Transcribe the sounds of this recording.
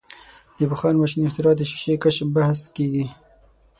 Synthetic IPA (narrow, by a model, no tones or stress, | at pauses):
d̪̥əbəxɑnmaʃinɪxt̪ɪɾɑːt̪d̪əʃi̥ʃekaʃbahskeɡi